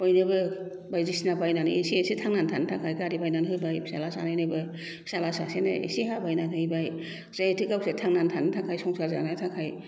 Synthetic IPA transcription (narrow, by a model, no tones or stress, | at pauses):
pɔjnɯbɯ | bajzisnabajnanɯ̰esiesitʰaŋnantʰantʰakʰajkaɾibajnanɦɯbajsalasa̰najnɯbɯ | salasasenɯ̰ḛsiɦabajnanʰaibaj | zaetʰikawsetʰaŋnantʰantʰakʰajsɔŋsaza̰nɯtʰakʰaj